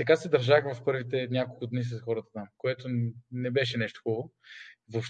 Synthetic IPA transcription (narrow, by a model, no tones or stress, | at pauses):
t̪ɐkasɛd̪ɐɾʒaxvɐfpɤɾvit̪ɛnʲjakolˠkʊd̪nis̬ɐsxɔɾət̪ə̥t̪amkoɛt̪onɛbɛʃɛnɛʃt̪o̥xulˠo | vofʃ